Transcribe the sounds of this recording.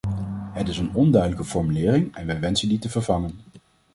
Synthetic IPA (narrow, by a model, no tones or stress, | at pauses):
ɦətɪsənɔndœɥdələkəfɔɹmylɪːrɪŋɛnʋɛjʋɛnsənditəvəɹvɑŋən